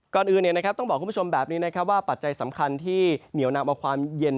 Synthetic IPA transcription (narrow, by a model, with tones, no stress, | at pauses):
kɔː˨˩nʔɯː˨˩ni˨˩na˦˥kʰa˦˥t̪ɔ˥˩ŋbɔː˨˩kʰːu˧˥˩t͡ɕo˧mbɛː˨˩p̚niː˦˥na˦˥kʰa˦˥p̚waː˥˩pa˨˩t̪̚t͡ɕa˧jsa˩˦mkʰa˧nt̪ʰiː˥˩ni˩˦wnaː˧mʔaː˧kʰwaː˧mje˧n